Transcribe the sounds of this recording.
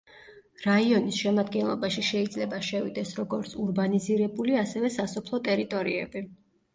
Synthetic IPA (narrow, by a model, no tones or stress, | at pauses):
ɾaiɔnisʃɛmad̪ɡɛnlˠɔ̰baʃiʃɛid̪zlɛbaʃɛvid̪ɛsɾɔɡɔɾt̪sʰuɾbaniziɾɛbuliasɛvɛsasɔpʰlˠɔt̪ʼɛɾit̪ʼɔɾḭɛ̰bi